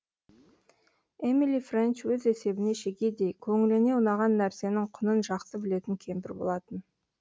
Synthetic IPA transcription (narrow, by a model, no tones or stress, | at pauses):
emilifrent͡ʃwɵze̞se̞bɪne̞ʃe̞kʲe̞d̪e̞jkʲʰɵŋɪlɪne̞ʊnɑʁɑnːæɾse̞nɪŋqʰʊnənʒɑqt̪əbɪle̞t̪ɪŋkʲʰe̞mpɪɾbo̞lˠɑt̪ən